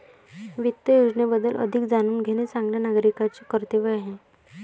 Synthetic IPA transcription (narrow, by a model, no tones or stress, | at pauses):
ʋit̪ːəjud͡znebəd̪ːəlʔə̰d̪ʱikd͡zañuːnɡʱeñet͡sãŋɡljanaɡɾikat͡sekəɾt̪eʋəaɦe